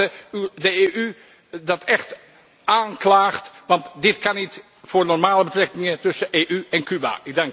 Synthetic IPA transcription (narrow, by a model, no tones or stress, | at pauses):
əydəeʔy | dɑtʰɛχt | ʔaːnklaːχtʋɑntdɪtkɑnit | fʊːrnɔrmaːləbətrɛkɪŋətɵsəʔeːʔyʔɛnkyba̰ɪɡ̚daŋk